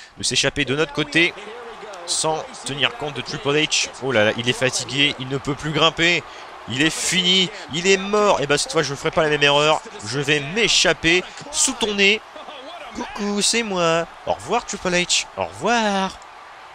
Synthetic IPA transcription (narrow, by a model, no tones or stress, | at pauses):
d̪̥əseʃaped̪ənɔt̪χəkot̪e | sɑ̃ | t̪əniʁkɔ̃t̪̚d̪ət̪χipɔlat͡ʃolala̰ʔilɛfat̪iɡʲeʔilnəpøplyɡʁɛ̃pe | ilɛfini | ilɛmɔʁebãsɛt̪fwaʒəfəʁɛpalamɛmeʁœʁ | ʒəvɛmeʃape | sut̪une | bokusɛmwa | ɔ̰ʁvwaʁt̪χipɔlat͡ʃɔ̰ʁvwaːʁ